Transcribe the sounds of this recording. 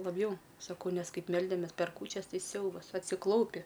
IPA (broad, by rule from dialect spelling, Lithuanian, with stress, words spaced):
lˠɐbʲˈjɛʊ sɐˈkɐʊ ˈnʲɛs ˈkɐɪp ˈmʲɛlʲdʲɛmʲɛs pʲɛr ˈkuːt͡ʃʲɛs ˈsʲɛʊbɐs ɐtʲsʲɪˈklˠɐʊpʲɪ